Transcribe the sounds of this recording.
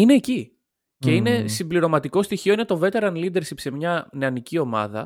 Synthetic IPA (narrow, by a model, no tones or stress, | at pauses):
ine̞ːci | ce̞ine̞simbliɾo̞mɐt̪iko̞st̪içio̞ine̞t̪o̞ve̞t̪e̞ɾɐnlid̪e̞ɾsipse̞mɲɐneɐnicio̞mɐ̰ðɐ̰